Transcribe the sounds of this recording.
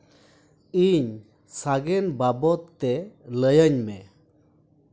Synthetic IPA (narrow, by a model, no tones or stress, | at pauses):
iɲ | saɡɛnbabɔt̪ːɛləjəɲmɛ